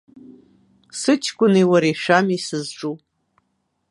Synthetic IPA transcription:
sɨt͡ʃʰkʷʼʊniwaɾiʂamisɨzʈ͡ʂʼu

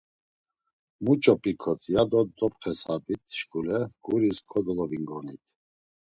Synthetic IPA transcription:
mut͡ʃʼɔpʼikʰɔt̪ʰʼjad̪ɔd̪ɔpχɛsabit̪ʰʃkulɛɡ̥uɾiskʰɔd̪ɔlɔviŋɡɔnit̪ʰ

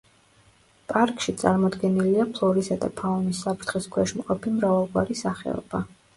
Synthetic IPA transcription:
pʼaɾkʼʃit̪sʼa̰ɾmɔd̪ɡɛniliapʰlˠɔɾisad̪a̰pʰaɔnisːapʰɾt̪ʰχiskʰwɛʃmqʼɔpʰimɾavalˠɡwaɾisaχɛ̰ɔ̰b̥a

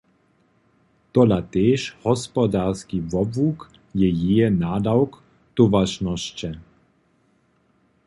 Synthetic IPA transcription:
t̪ɔlat̪eːʃhɔspɔd̪aːrskivɔbvuk | jɛjiɛnaːd̪awk | t̪uvaʃnɔʃt͡ɕɛ

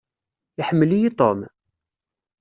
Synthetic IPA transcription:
ɪħəmːəlijit̪ˤo̰m

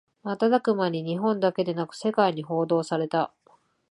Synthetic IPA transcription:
mat̪ad̪akɯ̟maɲʲiɲ̟iɦõ̞nd̪ake̞d̪e̞nakɯ̟̥se̞kaiɲ̟iɦo̞ːd̪o̞ːsaɾe̞t̪a

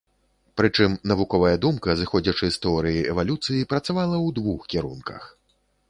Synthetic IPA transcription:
pɾɨt͡ʂɨmnɐvukɔvɐjɐd̪umkɐzɨxɔd͡zʲɐt͡ʂɨst̪ɛɔɾɨjiɛvalʲut̪sɨjipɾɐt̪savalˠɐwd̪vuxkʲiɾunkɐ̰x

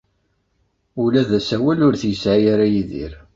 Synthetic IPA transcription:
ulæðæsæwælʊɾθjəsʕajaɾajiðḭɾ

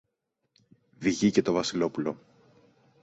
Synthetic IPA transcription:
viʝice̞t̪o̞vɐsilo̞pulo̞

